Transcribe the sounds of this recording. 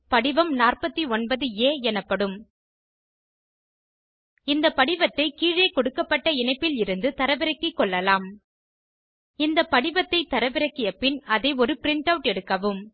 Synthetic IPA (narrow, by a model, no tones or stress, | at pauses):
pɐɽɪʋɐmnaːrpɐt̪ːiɔnbɐðɯeːɛnɐpːɐɽɯm | ɪnd̪ɐpɐɽɪʋɐt̪ːɐɪkiːɻeːkɔɽɯkːɐpːɐʈːɐɪnɐɪpːɪlɪɾɯnd̪ɯt̪ɐɾɐʋɪɾɐkːɪkːɔɭːɐlaːm | ɪnd̪ɐpɐɽɪʋɐt̪ːɐɪt̪ɐɾɐʋɪɾɐkːɪjɐpːɪnɐðɐɪɔɾɯpɪɾɪɳʈɐʋʈɛɽɯkːɐʋɯm